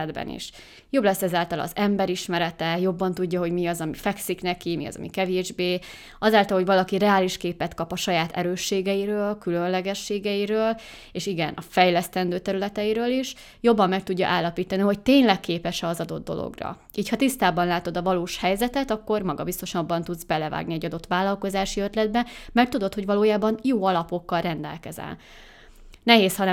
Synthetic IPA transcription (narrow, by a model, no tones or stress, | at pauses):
d̪bɛ̰nḭʃ | jo̞blɛsːɛzaːlt̪ɒlɒ̰zɛmbɛɾiʃmɛɾɛt̪ɛjo̞bːɒnt̪uɟːɒɦo̞ɟmiɒzɒmifɛksiknɛkimiɒ̰zɒ̰mḭkɛveːʒbeː | ɒzaːlt̪ɒlhovɒlɒkirɛaːliʃkeːpɛt̪kɒpɒʃɒjaːt̪ʰɛ̰ɾøːʃːeːɡɛiɾøːlkylø̞nlɛɡɛʃːeːɡɛiɾøːl | eːʃiɡɛnʔɒfɛjlɛst̪ɛnd̪øːt̪ɛɾylɛt̪ɛiɾøːliʃ | jo̞bːɒmːɛk̚t̪uɟːɒ̰ʔaːlːɒpiːt̪ɒniɦo̞c̚t̪eːɲlɛkːeːpɛʃɛɒzɒd̪o̞̰d̪̚d̪ːo̞̰lo̰ɡrɒ̰ | iːchɒt̪ist̪aːbɒnlaːt̪o̞d̪ɒvɒloːʃhɛjzɛt̪ɛt̪ɒkːo̞rmɒɡɒ̰bist̪o̞ʃɒbːɒnt̪ud̪zbɛlɛva̰ːɡniɛɟɒd̪o̞t̪ʋaːlɒlko̞zaːʃiøt̪lɛd̪̚bɛmɛrt̪ːud̪o̞t̪ho̞ɟvɒloːjaːbɒnjoːɒlɒpo̞kːɒlrɛnd̪ɛ̰lkɛzɛ̰n | nɛɦeːshɒnɛ